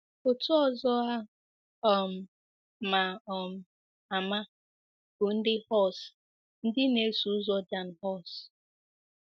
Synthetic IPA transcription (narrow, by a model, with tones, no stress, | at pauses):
ʊ˨tʊ˦ɔ˨zɔ˦a˦ | ɔ˨m̩˨ | ma˨ɔ˨m̩˨ | a˨ma˦ | bʊ˨n̩˦dɪ˦hɔ˦˨s | n̩˦dɪ˦ne˨˦su˨˦zɔ˦da˨n̩˨hɔ˦˨s